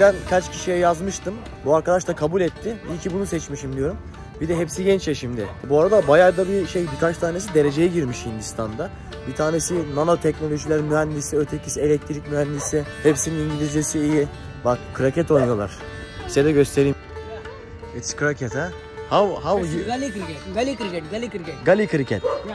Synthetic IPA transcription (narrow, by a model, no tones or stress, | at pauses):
bænkʰat͡ʃcʰiʃijɛjazmɯʃt̪ɯm | buaɾkad̪aʃt̪ˠakʰabulʲɛt̪ʰːɪicʰibunusɛt͡ʃmiʃimd̪ijo̞ɾum | bid̪ɛɦɛpsiɟɛnt͡ʃɛʃimd̪ɪ̰buaɾad̪abajaɾd̪abiʃejbikʰat͡ʃt̪ʰaːne̞s̬id̪e̞ɾe̞d͡ʒe̞jɛɟiɾmiʃhind̪ist̪ʰand̪a | bit̪ʰaːnesinanat̪ʰɛcno̞lʲo̞ʒilʲæɾmyɦænd̪isiø̞t̪ʰecʰi̥sie̞lʲɛc̚t̪ʰɾicʲmyɦænd̪isihepsininind̪ilʲizesiːji | bakkʰːɯɾacɛt̪o̞jnjolˠa̰ɾ̥ | pʰi̥sed̪ɛɟø̞st̪ʰe̞ɾijm | ɛskɾacʰɛt̪ɛ | havhalɛɡlʲikɾalʲikɾɛɡalʲikʰɯɾicʰɛt̪